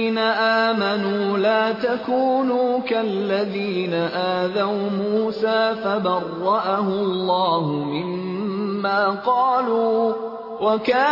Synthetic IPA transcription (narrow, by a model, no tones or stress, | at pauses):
naʔaːmanuːlaːt̪akuːnuːkalːaðiːnaʔaːðawmuːsaːfabɑrˤːɑʔahʊmɑlːɑːhʊmɪmː | aːqɑːluː | wakaː